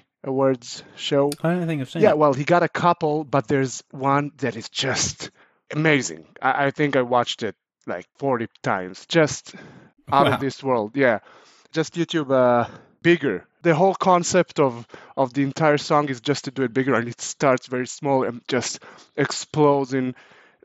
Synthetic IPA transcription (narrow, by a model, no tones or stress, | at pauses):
ʔəwɜ˞dz̥ʃoʊniθɪ̃ŋʌ̥sjæwɛlˠhiɡɑɾɨkʰʌpl̩ˠbʌt̪̚ðə˞zwʌ̃nðɨɾɨzd͡ʒʌst | ɨmeɪzɪ̰̃ŋa̰ɪʔaɪθɪ̃ŋkaɪwɑt͡ʃtɪt̚ | la̰ɪkfɔɹɾitʰã̰ɪ̃mz̥d͡ʒʌst | aʊɾʌvðɪswɜ˞lˠd̚jæ̥ | d͡ʒ̥ʌstjʉtʰʉbʌ | b̥ɪɡə˞ | ðɨɦoʊlˠkʰɑ̃nsɛptʌvʔʌvðiɨ̃ntʰaɪə˞sɔ̃ŋɨzd͡ʒʌstʰɨdɨɨt̚b̥ɪɡə˞ɨ̃nɨtstɑɹtsvɛɹismɔlˠɨ̰̥̃d͡ʒʌst | ɨksploʊzɪ̃ŋ